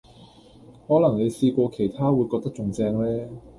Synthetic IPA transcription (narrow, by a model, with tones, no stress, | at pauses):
hɔː˨˥lɐ˨˩ŋne˨˧jsiː˧kʷɔː˧kʰe˨˩jt̪ʰaː˥wuː˨˧jkɔː˧k̚t̪ɐ˥k̚t͡ʃʊ˨ŋt͡sɛː˧ŋlɛː˥